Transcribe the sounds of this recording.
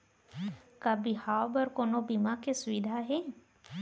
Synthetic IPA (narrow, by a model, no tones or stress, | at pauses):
kabihaːwbəɾkoːnobimakesʊʋid̪ʱaɦe